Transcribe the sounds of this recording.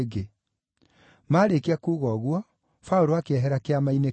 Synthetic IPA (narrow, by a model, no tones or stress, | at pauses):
ɡe | maːɾekeakuːɣɔːɣwɔ | fauɾoakeɛɦɛɾakeamaine